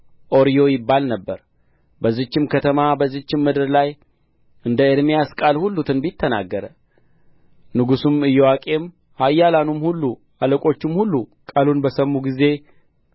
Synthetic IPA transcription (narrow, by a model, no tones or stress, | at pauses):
ʔo̞ɾijo̞jɪbːalnəbːəɾ | bəzːɨt͡ʃːɪmkʰət̪ʰəmabəzːɨt͡ʃːɪmːɨd̪ɨɾlaj | ɨnd̪əeɾmijaskʼalhulːut̪ʰɨnbit̪ʰːəna̰ɡːəɾə | nɨɡusumɨjːɛwakʼe̞m | hajːalanumhulːu | aləkʼo̞t͡ʃːɪmhulːukʼalunbəsəmːuɡize̞